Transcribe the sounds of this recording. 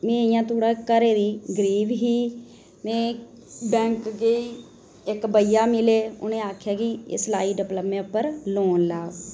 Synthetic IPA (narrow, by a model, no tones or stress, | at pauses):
mẽːɪjãːt̪oːɽakəɾeːd̪iːɡəɾiːʋɦiː | mẽː | bɛ̃ːŋkɡeiː | ɪkbəjaːmɪleːʊ̰nẽːaːkʰjaːkḭslaːiːɖɪpləpmẽːʊpːəɾloːnlaː